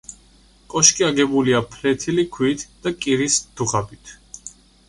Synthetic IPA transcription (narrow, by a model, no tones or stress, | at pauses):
kʼɔʃkʼiaɡɛbuliapʰlɛt̪ʰilikʰwiːt̪ʰd̪̥akʼiɾisd̪̥uʁabit̪ʰ